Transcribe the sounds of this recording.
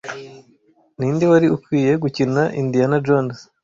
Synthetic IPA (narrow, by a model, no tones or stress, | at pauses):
niːndiwaɾiukwiːje̞ɡucinaʔindijanad͡ʒons